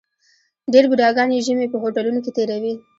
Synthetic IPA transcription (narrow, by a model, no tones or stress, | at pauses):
ɖeɾbud̪ɑɡɑneʒəmepəɦoʈalunoket̪eɾawi